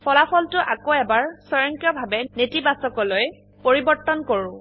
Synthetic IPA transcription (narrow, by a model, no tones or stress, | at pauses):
pʰɔlapʰɔltʊʔakoɛbaɹsɔɹɔŋkijɔbʱabɛnetibasɔkɔloj | poɹibɔɹtːɔnkoɹʊ̃